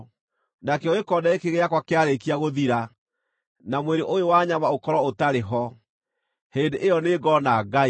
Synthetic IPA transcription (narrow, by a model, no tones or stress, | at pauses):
nakɛoekɔdaekeɣeakwakeaɾekiaɣoðiɾa | namweɾeʔojowaɲamaokɔɾɔotaɾeɦɔ | heːndeʔejɔneɡɔnaɡai